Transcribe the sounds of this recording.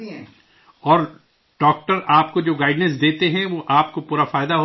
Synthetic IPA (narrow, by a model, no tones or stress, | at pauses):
ɔːɾ | ɖɔːk̚ʈəɾaːp̚kod͡ʒoːɡaːɪɖnəs̬d̪eːt̪eɦɛ̃ʋoʔaːp̚kopuːɾafaːjd̪aɦo